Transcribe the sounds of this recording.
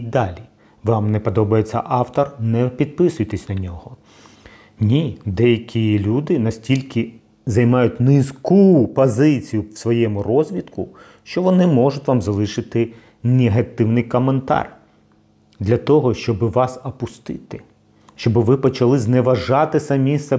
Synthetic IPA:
d̪ɑlʲi | ʋɑmnɛpɔd̪ɔbɐjet͡sʲːɐ̰ʔɑwt̪ɔrnɛpʲid̪̚pɪsʊjt̪ɛsʲnɐnʲɔɦɔ | nʲid̪ɛjɐkʲilʲud̪ɪnɐsʲtʲilʲkɪ | zɐjmɑjʊtʲnɪskupɔzɪt͡sʲijʊwsʋɔjɛmʊrɔzʲʋʲid̪kʊ | ʃt͡ʃɔʋɔnɪmɔʐʊtʲʋɑmzɐlˠɪʃɪt̪ɪ | neɦɐt̪ɪwnɪjkɔment̪ɑ̰r | d̪lʲɐt̪ɔɦɔʃt͡ʃɔbɪʋɑsɐpʊst̪ɪt̪ɪ | ʃt͡ʃɔbɪʋɪpɔt͡ʃɐlˠɪznɛʋɐʒɑt̪ɪsɐmʲisɛ

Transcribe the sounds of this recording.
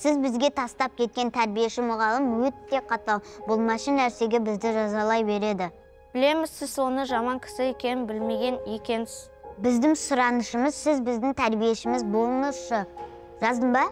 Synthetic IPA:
sɪzbɪzɡʲe̞t̪ʰɑst̪ɑp̚kʲʰe̞t̪̚kʲe̞nt̪ʰæɾbije̞ʃɪmʊʁɑlˠɪmwɵt̪ːe̞qʰɑt̪ɑlˠbʊlˠmɑʃənːæɾse̞ɡʲe̞bɪzd̪ɪʒɑzɑlˠɑjbe̞ɾe̞d̪ɪ | b̥ɪle̞mɪzsɪzso̞nəʒɑmɑŋkʲʰɪ̥sɪe̞kʲe̞nɪnbɪlme̞ɡʲe̞nekʲe̞nɪs | bɪzd̪ɪŋsʊɾɑnəʃəməzsɪzbɪzd̪ɪŋt̪ʰæɾbije̞ʃɪmɪzbo̞lˠənəʃə | ʒɑzd̪əɴbɑ

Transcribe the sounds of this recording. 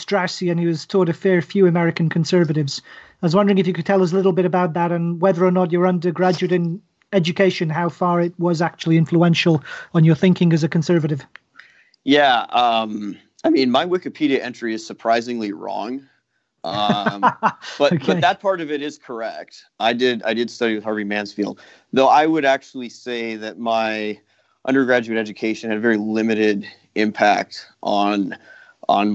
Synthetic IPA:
stɹ̥asiɨ̃niwʌz̥tʰɔlˠdɨfɛɹfjʉəmɛɹɨkɨ̃n̩kʰɨ̃nsɜ˞vɨɾɪvz̥aɪwʌzwʌ̃ndə˞ɪ̃ŋɪfjɨkɨd̚tʰɛlˠʌs̬lɪɾl̩ˠbɪɾɨbaʊt̪̚ðəɾə̃nwɛðə˞ənət͡ʃə˞ʌ̃ndə˞ɡɹæd͡ʒʉɨɾɨ̃n | ɛd͡ʒɨkʰeɪʃɨ̃nɦaʊfɑɹɪt̚wʌzak̚t͡ʃul̩ˠiɪ̃ɱfluɛ̃nʃl̩ˠə̃n̩jə˞θɪ̃ŋkɪ̃ŋɨzɨkʰə̃n̩sɜ˞vɨɾɨv̥ | jæʌ̃m | aɪmĩnmaɪwɪkɨpʰiɾiɨʔɛ̃nt͡ʃɹ̥iɨz̥sə˞pʰɹ̥aɪzɪ̃ŋliɹɔ̰̃ŋ | ʔʌ | b̥ʌokʰbʌeðət̚pʰɑɹɾʌvɨɾɪz̥kʰə˞ɛ̰k̚tʔaɪdɪɾa̰ɪdɨd̥stʌɾiwɨð̥hɑɹvimæ̃nsfilˠd̥̚ | ðoʊʔaɪwəɾæk̚t͡ʃul̩ˠiseɪðɨt̚maɪ | ʔʌ̰̃ndə˞ɡɹæd͡ʒʉɨɾɛd͡ʒɨkʰeɪʃɨ̃nɨɾəvɛɹilɪ̃mɨɾɪɾ | ɪ̃mpʰæ̰k̚tʔn̩ | ʔn̩

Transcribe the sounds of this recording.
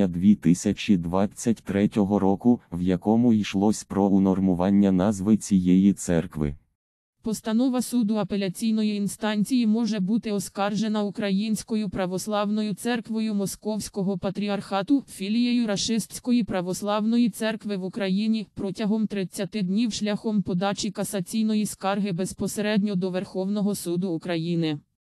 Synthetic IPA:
ɐd̪ʋʲit̪ɪsʲɐt͡ʃid̪ʋɑt͡sʲːɐtʲt̪ɾɛtʲɔɦɔɾɔkʊwjɐkɔmʊijʃlˠɔsʲpɾɔunɔrmʊʋɑnʲːɐnɑzʋɪt͡sʲijɛjit̪sɛ̰rkʋɪ̰ | pɔst̪ɐnɔʋɐsud̪ʊɐpe̞lʲɐt͡sʲijnɔjiːnst̪ɑnʲt͡sʲijimɔʒɛbut̪ɪɔskɑrʒenɐukɾɐjinʲsʲkɔjʊpɾɐʋɔslˠɑwnɔjʊt̪sɛrkʋɔjʊmɔskɔwsʲkɔɦɔpɐt̪ɾʲiɐrxɑt̪ʊfʲilʲijejʊɾɐʃɪsʲsʲkɔjipɾɐʋɔslˠɑwn̪ɔjit̪sɛrkʋɪʋukɾɐjinʲipɾɔtʲɐɦɔmt̪ɾɪt͡sʲːɐt̪ɪd̪nʲiwʃlʲɐxɔmpɔd̪ɑt͡ʃikɐsɐt͡sʲijnɔjiskɑrɦɪbe̞spɔseɾɛd̪ʲnʲɔd̪ɔʋerxɔwn̪ɔɦɔsud̪ʊːkɾɐjinɪ

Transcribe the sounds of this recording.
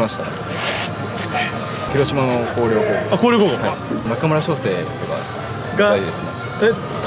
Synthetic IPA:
maɕi̥t̪a̰ | kʲiɾo̞ɕimanoko̞ːɾʲo̞ːhoːakoːɾjokoohaimakamɯ̟ɾaɕo̞ːse̞ːkt̪oɡa̰ | ɡaaid̪e̞sɨne | e

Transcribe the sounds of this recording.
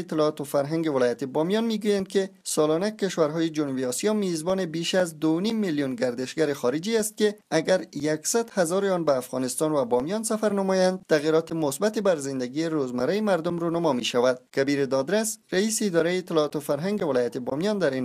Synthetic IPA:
t̪ːɪlɔt̪ʊfaɾɦaŋɡevɪlɔjat̪ebɔmjɒnmiɡujand̪̚kesɒlɔnakeʃwaɾɦɔjed͡ʒʊnubiɔsijɒmezbɔnebeʃazd̪onimːiljunɡaɾd̪ɪʃɡaɾexɔɾɪd͡ʒiast̪̚keaɡaɾjaksad̪hazɒɾeɒnbaːfɣɔnɪst̪ɒnvabɔmjɔnsafaɾnamɔjand̪̚t̪aɣiɾɔt̪emʊsbat̪ebaɾzɪnd̪aɡieɾozmaɾajemaɾd̪ʊmɾunamɒmiʃawad̪̥̚kabiɾed̪ɒd̪ɾasɾaiːseːd̪ɒɾajet̪ɪlɔt̪ʊfaɾɦaŋɡevɪlɔjat̪ebɔ̰mjɒnd̪aɾin

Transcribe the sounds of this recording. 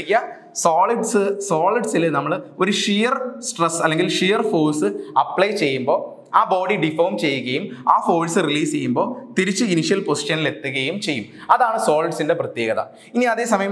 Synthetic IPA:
kʲːɐ | soːliɖsɨsoːliɖsilnɐmːɐɭo̞ɾuʂijɐrsʈresɐlːe̞ŋɡilʂijɐrfoːlsɨɐpːɭɐjt͡ɕe̞jːumbo̞ː | aːboːɖiɖifoːmt͡ɕe̞jːuɣɐjumaːfoːlsɨriliːst͡ɕe̞jːumbo̞ːt̪iɾit͡ɕːɨiniʂijɐlpo̞si̥ʂɐnile̞t̪ːɨɣɐjumt͡ɕe̞jːumɐðaːɳɨsoːliɖsinde̞prɐt̪je̞ːɣɐðɐ̰ | iniɐðe̞ːsɐmɐjɐm

